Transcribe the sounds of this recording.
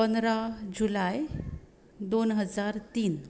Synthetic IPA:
pənd̪ɾad͡ʑulaj | d̪onɦəd͡zaɾt̪iːn

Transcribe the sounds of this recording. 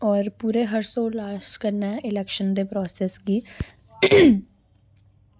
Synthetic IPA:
ɔːɾpuːɾeɦɐɾsõlaːʃkɐɾnaɪlɛkʃənd̪epɾɔːseːsɡiː

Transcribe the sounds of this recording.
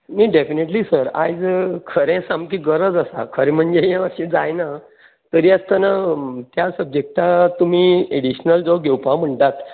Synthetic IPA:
mĩɖefineʈliːsəɾa̰jd͡zkʰəɾẽsamkiɡəɾəd͡zəsa̰kʰəɾẽm̤əɳd͡zejãəɕẽd͡zajna | t̪əɾiːəst̪anat̪jasəb̚d͡ʑek̚ʈat̪umiːeɽiɕnəld͡zɔɡʱewpam̤əɳʈat̪

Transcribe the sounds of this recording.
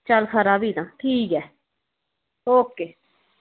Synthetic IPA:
t͡ʃəlxəɾaːbiːnãːʈʰiːkɛː | oːkeː

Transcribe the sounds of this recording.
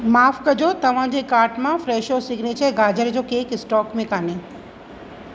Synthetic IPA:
maːfkɐd͡ʑot̪ɐʋ̤ãd͡ʑekaːɾʈmãfɾɛːʃosɪɡnet͡ɕʰɛɡaːd͡ʑəɾd͡ʑoːkeːkɪsʈɔːkmẽkaːne

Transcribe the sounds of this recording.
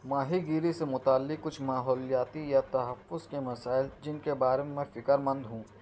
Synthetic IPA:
maːɦiɡiːɾisemʊt̪aːlːɪkːʊt͡ʃʰmaːɦɔːlijaːt̪ijat̪ɐɦɐfːʊzkemɐsaːɪld͡ʒɪnkebaːɾememɛ̃fɪkəɾmɐ̃nd̪ɦũː

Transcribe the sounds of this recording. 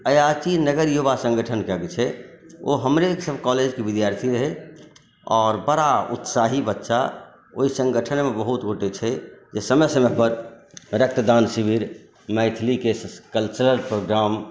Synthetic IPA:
əjat͡ʃinəɡəɾjubasə̃ŋɡəʈʰənkɛɡet͡ʃʰɛo̰ɦəmɾeksəbkɔled͡ʒkebid̪jaɾt̪ʰiɾəɦɛ | ɔːɾbəɾaṵt̪saɦibətːʃa | oisə̃ŋɡʱəʈʰənmebəɦut̪ɡoʈet͡ʃʰɛd͡ʒesəməsəmepəɾɾək̚t̪əd̪ansibiɾ | məɪt̪ʰlikekəlt͡ʃɾəɾpɾoɡɾam

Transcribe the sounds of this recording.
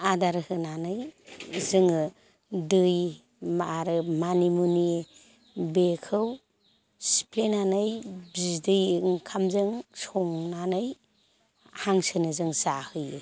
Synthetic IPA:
adaɾhɯnanɯjzɯŋ | dɯj | maaɾɯmanimuni | bekʰɯw | si̥plenanɯjbizdɯjŋkʰamzɯŋsɔŋnanɯj | haŋsɯnɯzɯŋsahɯjɯ̰

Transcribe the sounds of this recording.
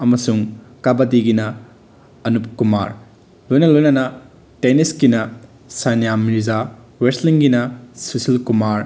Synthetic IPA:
ɐmɐsuŋkabɐdiɡinɐ | ɐnupkumaɾ | lojnɐlojnɐnɐ | teniskinɐ | sanjamiɾza | wesliŋɡinɐsusilkumaɾ

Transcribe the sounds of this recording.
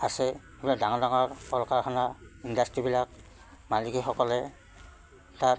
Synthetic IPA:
asɛ | biladaŋɔdaŋɔɹɔlkaɹkʰanaindastɹibilak̚ | maliɡixɔkɔlɛ | ta

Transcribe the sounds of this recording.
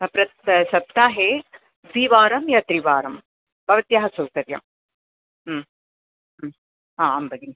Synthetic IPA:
pɾɐʃɐb̚t̪aːɦeː | ʋiːʋaːɾɐmjɐt̪ɾiʋaːɾɐm | bʱɐʋɐt̪jaːɦɐsɐwkɐɾjɐ̰m | aːɐmbɐɡi

